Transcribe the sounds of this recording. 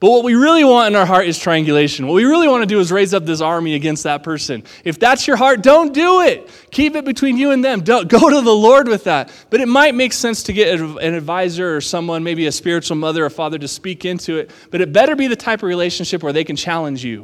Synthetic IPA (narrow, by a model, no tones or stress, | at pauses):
b̥ʌt̚wʌt̚wiɹɪlˠiwɑ̃ntɨ̃naʊə˞ɦɑɹɾɨz̥tʰɹ̥aææ̃ŋɡjɨleɪʃɨ̃nwʌt̚wiɹɪlˠiwɑ̃nɨdɨɨzɹeɪzʌp̚ðɪs̬ɑɹmiɨɡɛ̃nst̪̚ðət̚pʰɜ˞sɨ̃n | ɨfðætsjə˞ɦɑɹt̚d̥õʊ̃nd̥uɪt̚ | kʰipɨt̚b̥ɨtʰw̥ĩnjɨɨ̃nðɨ̃mdõʊ̃nɡ̥oʊɾəðəlɔɹd̚wɨðæt̚ | b̥ʌɾɨt̚maɪt̚meɪksɛ̃nstʰɨɡɛɾɨɨ̃nɨdvaɪzə˞ːsʌ̃mwʌ̃nmeɪbiɨspɪɹɨt͡ʃl̩ˠmʌðə˞əfɑðə˞ɾɨspikɪ̃ntʰʉɪt̚ | b̥ʌɾɨt̚b̥ɛɾə˞biðɨtʰaɪpʌvɹileɪʃɨ̃n̩ʃɪpwə˞ðeɪkn̩t͡ʃʰælˠə̃nd͡ʒjʉ̰